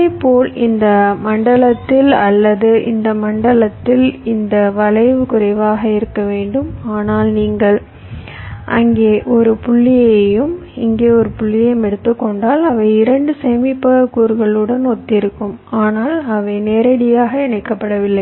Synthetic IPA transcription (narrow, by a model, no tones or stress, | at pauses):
epːoːlɪnd̪ɐmɐɳɖɐɭɐt̪ːɪlɐlːɐðɯʔɪ̰nd̪ɐmɐɳɖɐɭɐt̪ːɪlɪnd̪ɐʋɐlɐɪʋɯkʊɾɐɪʋaːɣɐɪɾɯkːɐʋeːɳɖɯmaːnaːlniːŋɡɐɭ | ʔɐŋɡeːʔɔɾɯpʊɭːɪjɐjɯmɪŋɡeːɔɾɯpʊɭːɪjɐjɯmɛɽɯt̪ːɯkːɔɳɖaːlɐʋɐɪɪɾɐɳɖɯsɛjmɪpːɐɐkːuːɾɣɐɭɯɽɐnɔt̪ːɪɾɯkːɯmaːnaːlɐʋɐɪneːɾɐɽɪjaːɣɐɪnɐɪkːɐpːɐɽɐʋɪlːɐɪ